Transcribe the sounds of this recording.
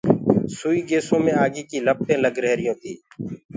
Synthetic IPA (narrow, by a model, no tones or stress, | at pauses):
suːiːɡeːsõːmẽːaːɡiːkiːləp̚t̪ẽːləɡɾeːɾɪjõːt̪ʰiː